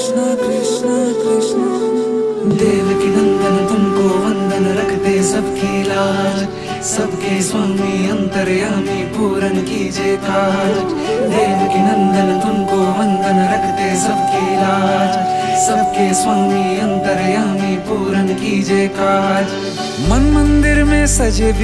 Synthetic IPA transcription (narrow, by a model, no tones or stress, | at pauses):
n | kɾɪʃnɐ | kɾɪʃnɐ | d̪eːʋɐkinɐnd̪ɐnɐd̪unkoːʋɐnd̪ʱɐnɐɾɐkʰt̪eːsɐbkiːlaː | sɐbʱkeːsʋaːmiːɐnt̪ɐɾjaːmiːpuːɾɐnɐkiːd͡ʒeːkaːd͡ʒd͡ʒ | d̪eːʋkinɐ̃nd̪ənd̪ʊnɡoːʋɐnd̪ʱənɾɐkʰt̪eːsɐb̚ʱkiɪlaːd͡ʒsɐbkeːsʋaːmiːɐnt̪əɾjaːmipuːɾənkiːd͡ʒeːkaːd͡ʒ | mɐnmɐ̃nd̪ɪɾmẽsɐd͡ʒeːd